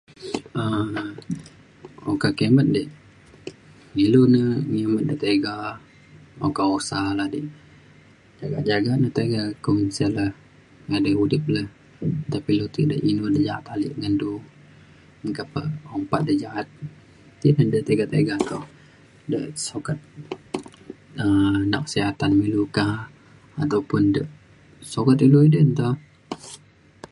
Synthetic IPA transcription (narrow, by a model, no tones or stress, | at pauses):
ə | okakemət̪̚dəʔ | ŋilunəŋemət̪̚dəʔt̪eɡa | o̰kaosalahdi | d͡ʒaɡaʔd͡ʒaɡaʔnəht̪eɡakomənsələh | ŋadəudɪp̚ləh | t̪apilut̪ḭʔdəʔinudəd͡ʒaa̰t̪alḭʔŋəndu | əŋkapə̰ɔmpat̪̚dəd͡ʒaat̪̚ | t̪inədət̪eɡat̪eɡat̪ɔh | dəʔsokat̪̚ | ənakə̥siɦat̪anmiluka | at̪awpʊndəʔ | sokat̪iluidənt̪a